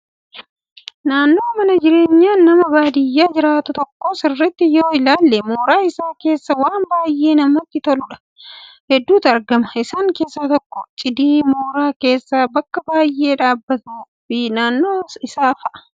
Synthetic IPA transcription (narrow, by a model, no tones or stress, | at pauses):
naːnːo̞ːmɐnɐd͡ʒɪɾe̞ːɲːaːnːɐmɐbaːd̪ɪjːaːd͡ʒɪɾaːt̪ʊt̪ɔkːoːsɪrːɛt̪ːɪjoːɪlaːlːɛmoːɾaːɪsaːke̞ːsːɐwaːmbaːjːe̞ːnɐmɐt̪ːɪt̪ɔlʊᶑɐ̥ | hɛd̪ːuːt̪ɐɾɡɐmɐɪsaːŋke̞ːsːaːt̪ɔkːɔt͡ʃʼɪd̪iːmoːɾaːke̞ːsːabɐkːɐbaːjːe̞ːᶑaːbːɐt̪uː | fɪnaːnːo̞ːɪsaːfɐʔɐ̥